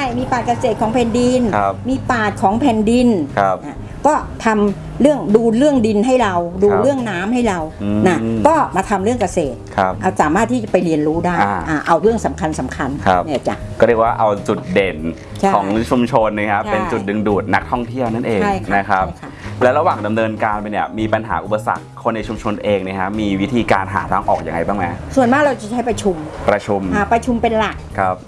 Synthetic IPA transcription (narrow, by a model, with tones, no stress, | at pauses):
a˥˩jmiː˧paː˨˩t̪̚ka˧seː˨˩t̪̚kʰɔː˩˦ŋpʰɛː˨˩ndi˧nʰa˦˧miː˧paː˨˩t̪̚kʰɔː˩˦ŋpʰɛː˨˩ndi˧nkʰa˦˧ʔa˧˩ | kɔː˥˩t̪ʰa˧m | ɾɯ˥˩əŋduː˧ɾɯ˥˩əŋdi˧nɦa˥˩jɾa˧wduː˧ɾɯ˥˩əŋnaː˦˥mha˥˩jɾa˧wna˦˥kɔː˥˩maː˧t̪ʰa˧mɾɯ˥˩əŋka˧seː˨˩t̪̚kʰa˦˥p̚ʔa˧˩saː˩˦maː˥˩t̪ʰːiː˥˩t͡ɕa˨˩pa˧jɾi˧ənɾuː˦˥daː˥˩jʔaː˨˩ʔa˧wɾɯ˥˩əŋsa˩˦mkʰa˧nsa˩˦mkʰa˧nkʰa˦˩˧a˧˩˨t͡ɕa̰˨˩kɔː˥˩ɾi˧˩ək̚waː˥˩ʔa˧wt͡ɕu˨˩t̪̚de˨˩n | t͡ɕʰkʰɔː˩˦ŋt͡ɕʰu˧mt͡ɕʰo˧nː˧˥˩kʰa˦˥pe˧nt͡ɕu˨˩t̪̚dɯ˧ŋduː˨˩t̪̚na˦˥k̚t̪ʰɔ˥˩ŋt̪ʰi˥˩əwna˥˩nʔeː˧aŋ˥˩jna˦˥kʰa˦˥p̚ʰa˦˥lɛː˦˥wɾa˧waː˨˩ŋda˧mnɤː˧nkaː˧npa˧jni˧˥˩əmiː˧pa˧nɦa̰ː˩˦ʔu˨˩pa˧sa̰˨˩kʰːo˧nːa˧jt͡ɕʰu˧mt͡ɕʰo˧nʔeː˧ŋni˥˩kʰa˦˥miː˧wi˦˥t̪ʰiː˧kaː˧nɦa̰ː˩˦t̪ʰaː˧ŋʔɔː˨˩k̚ja̰˧ŋa˧jbaː˥˩ŋma˦˥su˨˩ənmaː˥˩k̚ɾa˧wt͡ɕa˨˩t͡ɕʰa˦˥jpɾa˧t͡ɕʰu˧mpɾa˧t͡ɕʰu˧mʔaː˧˩pɾa˧t͡ɕʰu˧mpe˧nla˨˩k̚kʰɾa˦˥p̚